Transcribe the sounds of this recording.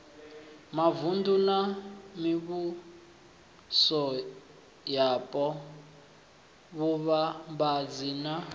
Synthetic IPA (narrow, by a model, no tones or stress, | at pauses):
mavundunamiβu | sɔ | japʼɔ | βuβambad͡zina